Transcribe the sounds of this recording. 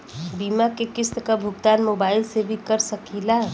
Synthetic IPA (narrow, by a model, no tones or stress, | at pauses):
biːmakekɪst̪kabʱʊɡ̚t̪aːnmoːbaːɪlsebʱikəɾsəkila